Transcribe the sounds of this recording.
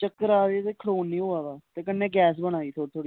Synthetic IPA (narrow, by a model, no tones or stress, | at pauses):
t͡ʃəkːɾaːʋeːt̪eːkʰəɽoːnːĩːɦoːaːʋaːt̪eːkənːeːɡɛːs̬bəɽ̃aːiːt̪ʰoːt̪ʰoːɽi